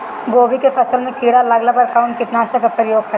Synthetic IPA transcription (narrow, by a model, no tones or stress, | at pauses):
ɡoːbikefɐsəlmẽkiːɽalɐɡlabɐɾkaʊnkɪt̪naːsɐkapəɾjoːɡkɐɾ